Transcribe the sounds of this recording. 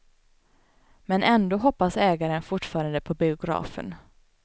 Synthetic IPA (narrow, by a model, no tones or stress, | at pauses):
mɛnɛnd̪oːɦɔpːasɛːɡaɾənfʊʈfɑːɾand̪əpʰɔbɪʊɡɾɑ̰ːfə̰n